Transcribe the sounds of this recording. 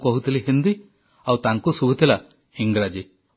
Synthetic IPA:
kɔɦut̪ʰiliɦind̪i | awt̪aŋkusubʱut̪ʰila | iŋɡɾad͡ʒi

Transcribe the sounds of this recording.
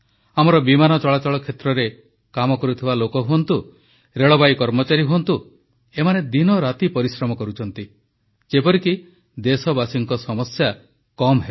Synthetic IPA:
amɔɾɔbimanɔt͡ʃɔɭat͡ʃɔɭɔkʰet̪ɾɔɾe | kamɔkɔɾut̪ʰibalokɔɦuɔnt̪u | ɾeɭɔbajkɔɾmɔt͡ʃaɾiɦuɔnt̪u | emaned̪inɔɾat̪ipɔɾisɾɔmɔkɔɾut͡ʃʰɔnt̪i | d͡ʒepɔɾiki | d̪esɔbasiŋkɔsɔmɔsja | kɔmɦe

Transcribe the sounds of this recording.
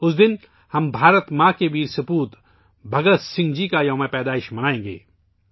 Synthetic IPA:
ʊsd̪ɪn | hɐmbʱaːɾət̪mãːkebʱiɾsɐpuːt̪ | bʱɐɡət̪sɪ̃ŋɡd͡ʒikajomɛ̃pɛːd̪aːɪʃmɐnaːẽːŋɡḛː

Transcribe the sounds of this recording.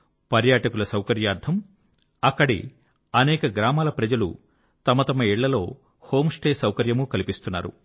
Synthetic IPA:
pɐɾjaːʈɐkulɐsɐwkɐɾjaːɾd̪ʰɐm | ɐkːɐɽḭ | ɐnɛːkɐɡɾaːmaːlɐpɾɐd͡ʒɐlṵ | t̪ɐmɐt̪ɐmɐiɭːɐlo̞ː | ho̞ːmsʈeːsɐwkɐɾjɐmukɐlipist̪unːa̰ːɾṵ

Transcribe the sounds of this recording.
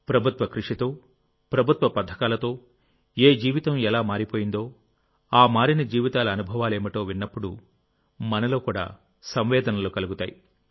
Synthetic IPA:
pɾɐbʱut̪ʋɐkɾuʂit̪o̞ː | pɾɐbʱut̪ʋɐpɐd̪ʱːɐkaːlɐt̪o̞ː | eːd͡ʒiːʋit̪ɐmɛlaːmaːɾipoːjind̪o̞ː | aːmaːɾinɐd͡ʒiːʋit̪aːlɐɐnubʱɐʋaːleːmiʈo̞ːʋinːɐpːuɽu | mɐnɐlo̞ːkuːɽa̰ː | sɐmʋɛːd̪ɐnɐlukɐluɡut̪aːji

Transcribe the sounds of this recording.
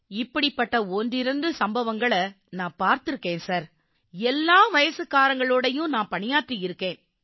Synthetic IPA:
ɪpːɐɽɪpːɐʈːɐɔndɪɾɐnd̪ɯsɐmbɐʋɐŋɡɐɭɐ | nãːpaːɾt̪ɯɾɯkːẽːnsaːɾ | ɛlːaːʋɐjɐsɯkːaːɾɐŋɡɐɭoːɽɐjʊ̃nãːpɐɳɪjaːʈːɯjɪɾɯkːẽːn

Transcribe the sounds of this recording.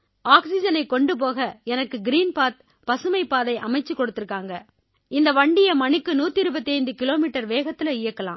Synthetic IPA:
aːksɪd͡ʒɐnɐɪkːɔɳɖɯp̬oːɣɐɛnɐkːɯɡɪɾiːnpaːt̪̚ | pɐsɯmɐɪpːaːðɐɪʔɐmɐɪt͡ʃːɯkːɔɽɯt̪ːɪɾɯkːaːŋɡɐ | ɪnd̪ɐʋɐɳɖɪjɐmɐɳɪkːɯnuːt̪ːiɪɾɯbɐt̪ːiɐɪnd̪ɯkɪloːmiːʈːɐɾʋeːɣɐt̪ːɪlɐɪjɐkːɐlã̰ː

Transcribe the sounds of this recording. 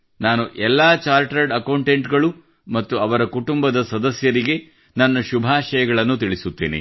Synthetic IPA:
naːnuʔɛlːaːt͡ʃaːɾʈɾɐɾɖɐkɐwɳʈeɳʈɡɐɭu | mɐt̪ːuɐʋɐɾɐkuʈumbɐd̪ɐsɐd̪ɐsjɐɾiɡe | nɐnːɐʃubʱaːʃɐjɐɡɐɭɐnːut̪iɭisut̪ːḭːnḭ

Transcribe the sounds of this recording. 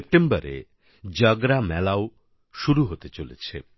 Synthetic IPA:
ep̚ʈembɔɾḛ | d͡ʒʌɡɾamɛlaw | ʃuɾuɦot̪et͡ʃolet͡ʃʰe

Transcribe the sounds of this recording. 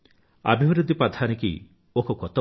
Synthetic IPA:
a̰bʱibɾud̪ʱipad̪ʱanikḭ | okɔkɔt̪ɔ

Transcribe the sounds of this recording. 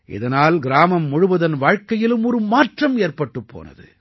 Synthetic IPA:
ʔɪ̰ðɐnaːlɡɪɾaːmɐmːʊɻʊʋɐðɐnʋaːɻkɐjɪlɯmɔɾɯmaːʈrɐmeːrpɐʈːɯpːo̰ːnɐ̰ðɯ̰

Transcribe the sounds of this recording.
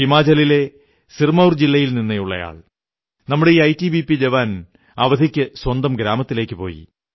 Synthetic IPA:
imaːd͡ʑɐlile̞ | sirmɐwrd͡ʑilːɐjilninːɐjuɭːɐ̰ja̰ːɭ | nɐmːuɽe̞iːɐjtːibipːid͡ʑeʋaːn | ɐʋɐd̪ʱikʲːɨswɐnd̪ɐmɡɾaːmɐt̪ːile̞ːkʲːɨpo̞̰ːjḭ

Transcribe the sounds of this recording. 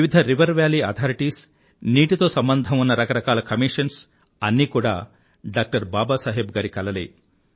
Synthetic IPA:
ʋiʋid̪ʱɐɾiʋɐɾʋjaːliːɐ̰ːt̪ʰaːɾiʈiːs | niːʈit̪o̞ːsɐmbɐnd̪ʱɐmunːɐɾɐkɐɾɐkaːlɐkɐmiːʂɐns | ɐnːiːkuːɽa̰ː | ɖaːk̚ʈɐɾbaːbaːsaːɦebɡaːɾikɐlɐlḛː

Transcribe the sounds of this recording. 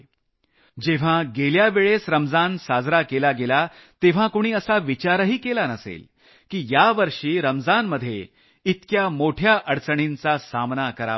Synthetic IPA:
d͡ʑeʋ̤ãɡeljaʋeɭesɾəmd͡zansad͡zɾakelaɡelat̪eʋ̤ãkoɽ̃iːəsaʋit͡ɕaɾəɦiːkelanəsḛl | kiːjaʋəɾʂiːɾəmd͡zanməd̪ʱːje | it̪kjamoʈʰjaʔəɽt͡səɽ̃int͡sasamnakəɾa̰

